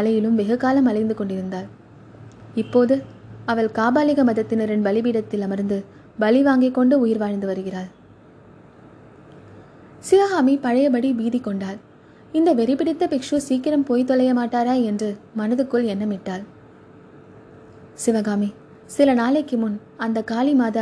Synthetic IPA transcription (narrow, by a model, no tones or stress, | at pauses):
ɐlɐjɪlɯmʋɛɣɐkːaːlɐmɐlɐɪnd̪ɯkɔɳɖɪɾɯnd̪aːl | ɪpːoːðɯɐʋɐɭkaːbaːlɪɣɐmɐðɐt̪ːɪnɐɾɛnbɐlɪbiːɽɐt̪ːɪlɐmɐɾnd̪ɯ | bɐlɪʋaːŋɡɪkːɔɳɖɯʊjɪɾʋaːɻnd̪ɯʋɐɾɯɣɪraːl | sɪʋɐɣaːmipɐɻɐjɐpɐɽiʋiːðɪkːɔɳɖaːl | ɪnd̪ɐʋɛɾɪpːɪɽɪt̪ːɐpɪkʂusiːkːɪɾɐmpoːjt̪ːɔlɐjɐmaːʈːaːɾaːɛndrɯmɐnɐðɯkːɯɭɛnːɐmɪʈːaːl | sɪʋɐɣaːmi | sɪlɐnaːleːkːɪmɯn | ɐnd̪ɐkaːlimaːðɐ